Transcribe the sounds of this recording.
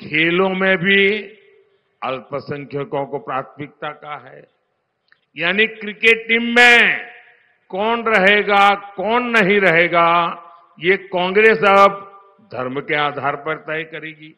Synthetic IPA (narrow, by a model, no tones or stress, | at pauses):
kʰeːlõmẽbʱi | ɐlpəsə̃ŋkʰjokõkopɾaːt̪ʰmɪk̚t̪akaɦɛː | jaːnikɾɪkeːʈʈĩːmːẽ | kɔːnɾɐɦeːɡakɔːnːɐɦĩɾɐɦeːɡa | jekɔ̃ːŋɡɾeːsɐb̚ | d̪ʱɐɾmkeaːd̪ʱaːɾpɐɾt̪aikɐɾeːɡiː